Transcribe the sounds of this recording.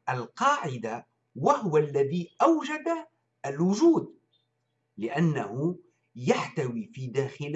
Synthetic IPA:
ʔalqɑːʕɪd̪a | wahʊwalːaðiːʔawd͡ʒad̪a | ʔalwʊʒuːd̪̚ | lɪʔanːahʊ | jaħt̪awiːfiːd̪aːxɪl

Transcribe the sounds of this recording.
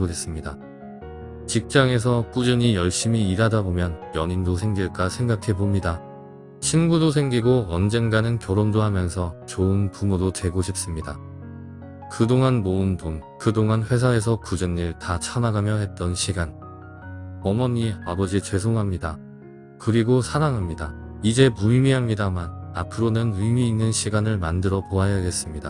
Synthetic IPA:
oe̞s͈ɯmɲida | t͡ɕik̚t͡ɕ͈aŋe̞s̬ʰʌk͈ud͡ʑɯɲijʌɭɕ͈imiːɾadabomjʌnjʌɲindosʰe̞ŋɡiɭk͈asʰe̞ŋɡakʰe̞bomɲida | t͡ɕʰinɡudos̬ʰe̞ŋɡiɡoʌnd͡ʑe̞ŋɡanɯnkjʌɾondoɦamjʌnsʰʌt͡ɕoɯnpumodote̞ɡoɕʰip̚s͈ɯmɲida | kɯdoŋanmoɯntʰonkɯdoŋanɸwe̞sʰae̞s̬ʰʌkud͡ʑɯnːiɭtat͡ɕʰanaɡamjʌɦe̞t̚t͈ʌnɕʰiɡan | ʌmʌɲiabʌd͡ʑit͡ɕwe̞s̬ʰoŋɦamɲida | kɯɾiɡosʰaɾaŋɦamɲidaid͡ʑe̞mumiɦamɲidamana̰pʰɯɾonɯnɯmiːnːɯnɕʰiɡanɯɭmandɯɾʌpoajaɡe̞s͈ɯmɲida̰

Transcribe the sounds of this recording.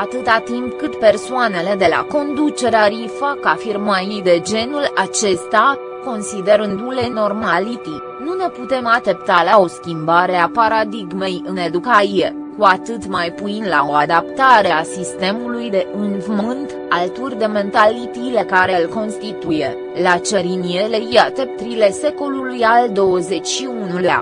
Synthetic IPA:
at̪ɨt̪at̪impkɨt̪pe̞rsoane̞le̞d̪e̞la̰ko̞nd̪ut͡ʃe̞ɾeaɾifakafirmajijd̪e̞d͡ʒe̞nulat͡ʃe̞st̪a | ko̞nsid̪e̞ɾɨnd̪ule̞no̞rmalit̪i | nune̞put̪e̞mat͡ʃe̞pt̪alao̞skʲimbaɾe̞apaɾad̪iɡme̞jɨne̞d̪ukaie̞ | kuat̪ɨt̪majpuinlao̞ad̪apt̪aɾeasist̪e̞mulujd̪e̞ʔɨnvmɨnt̪ | alt̪urʲd̪e̞me̞nt̪alit̪ilekaɾe̞lko̞nst̪it̪uje | lat͡ʃe̞ɾiniele̞jat̪ept̪ɾile̞se̞ko̞lulujald̪o̞əze̞t͡ʃʲʃiunulea̰

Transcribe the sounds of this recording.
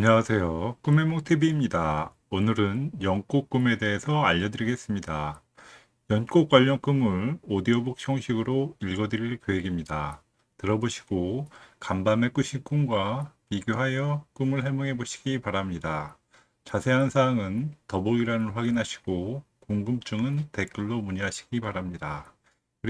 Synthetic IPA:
aɲʌŋasʰe̞jok͈ume̞mok̚tʰebiːmɲida | onɯɾɯnjʌŋk͈ok͈ume̞de̞ɦesʰʌaʎːʌdɯɾiɡe̞s͈ɯmɲida | jʌnk͈ok͈̚waʎːʌŋk͈ɯmɯɭodiobuk̚ɕ͈ʰʌŋɕʰiɡɯɾoiɭɡʌdɯɾiɭkjoɦe̞ɡimɲida | tɯɾʌboɕʰi̥ɡ̥okambame̞k͈uɕʰink͈umɡwapiɡjoɦajʌk͈umɯɭɦe̞moŋɦe̞boɕʰi̥ɡ̥ipaɾamɲida | t͡ɕasʰe̞ɦansʰaɦːŋɯntʌboɡiɾanɯnɸwaɡinɦaɕʰi̥ɡ̥o | koŋɡɯmt͡ɕ͈uŋɯnte̞k͈ɯɭːomuɲiɦaɕʰi̥ɡipaɾamɲida | kɯɾ

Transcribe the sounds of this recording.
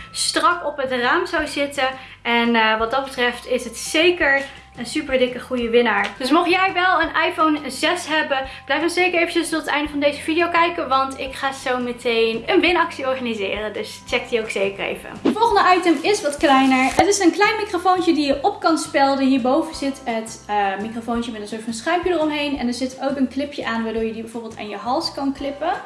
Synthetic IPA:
strɑkɔpɦətraːmzawzɪtə | ɛnʋɑt̚dɑt̚bətrɛftɪsətsejkəɹ | ənsypəɹdɪkəχujəʋɪnaːɹd̥ɵsmɔχjɛjʋɛlˠənɑjfownzɛsɦɛbəb̥lɛjfənsejkəɹejvət͡ʃəstɔtətɛjndəvɑndejzəvidijowkɛjkəʋɑntɪkχaːz̥owmətejnənʋɪnɑksiɔɹχanizɪ̰ːrəndɵst͡ʃɛk̚təowksejkərḛjvə̰əfɔlˠχəndəʔɑjtəmɪsʋɑtklɛjnəɹɦətɪsənklɛjnmikrofowncədijəʔɔpkɑnspɪlˠdənɦiːɹbowvəz̥ɪtət | əmikrofowncəmɛtənsʊːɹtfɑnsχœɥmpjədərɔmɦejnɛndəɹzɪtowkənklɪpjəʔaːnʋaːɹdʊːɹjədibɛjvʊːɹbɪlˠta̰ːnjəɦɑlˠskɑnklɪpə

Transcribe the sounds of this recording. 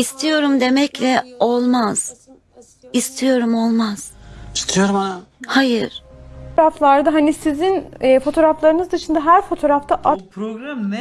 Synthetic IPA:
ist̪ʰijo̞ɾumd̪e̞mɛclʲɛolˠmaz̥ | ist̪ʰijo̞ɾumo̞lˠmaz̥ist̪ʰijoɾhajɯɾ̥ɾaflˠaɾd̪aɦanisizinːfo̞t̪ʰo̞ɾaflˠaɾɯnɯzd̪ɯʃɯnd̪aɦæɾfo̞t̪ʰo̞ɾaft̪ʰaʔapɡɾa

